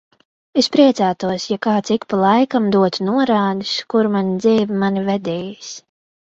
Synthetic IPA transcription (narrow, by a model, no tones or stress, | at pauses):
espɾiɛt̪sæːt̪uɔsjakaːt̪sikpalˠajkamd̪uɔt̪nuɔɾaːd̪iskuɾmanid̪ziːvimanivɛd̪ɛːjis